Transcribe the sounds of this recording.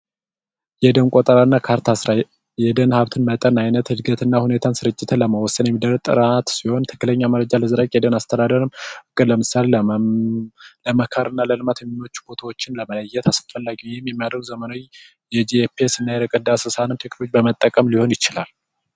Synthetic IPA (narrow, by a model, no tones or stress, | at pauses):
jɛd̪ənkʼot̪ʼəɾanːakʰaɾt̪ʰasɾa | jɛd̪ənhaβt̪ʰɨnmət̪ʼənajnət̪hɨd̪ɡət̪ʰɨnːahune̞t̪ʰansɨɾɨt͡ʃʼːɪt̪ʰələməwɔsːənjɛmːid̪əɾət̪ʼɨ̰ɾat̪siho̞nt̪ʰɨ̥kːɨləɲːaməɾəd͡ʒaləzɨɾakʼjɛd̪ənast̪ʰəd̪ad̪əɾɨmɨkʼːɨləmɨsale | ləməkʰəɾʔɨnːaləlɨmat̪jɛmno̞t͡ʃːu̥bo̞t̪ʰawot͡ʃːɪnləmələjːɛt̪ʰasfəlːaɡiwihɪmːjɛmːijad̪ɾəɡzəməno̞j | jɛd͡ʒiepesɨnːajɛɾəkʼəd̪asɨsanɨnt̪ʰekolod͡ʒbəmət̪ʼːəkʼəmliho̞njɪt͡ʃɪlal